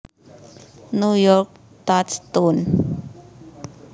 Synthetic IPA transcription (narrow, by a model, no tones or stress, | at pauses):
nujɔɾk̚ | t̪atst̪un